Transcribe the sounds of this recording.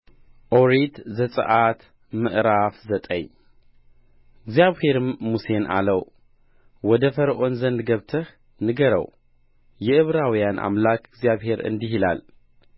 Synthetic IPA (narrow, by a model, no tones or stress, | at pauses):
ʔoɾit̪zɐt͡sʼɨ̰ʔat̪ | mɨʔɾafzɐt̪ʼɐj | ɨɡzijaβhe̞ɾmuse̞nʔa̰lɐw | wɔd̪ɐfɐɾʔo̞nzɐnd̪ɡɐβt̪ʰɐx | nɨɡɐɾɐ̰w | jɛʔɨβɾawjanʔa̰mlakʰɨɡzijaβhe̞ɾɨ̰nd̪ɨɦila̰l